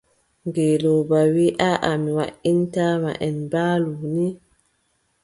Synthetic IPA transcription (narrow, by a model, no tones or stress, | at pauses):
ŋɡeːloːbawiʔaʔamiwa̰ʔintaːma̰ʔɛnbaːluni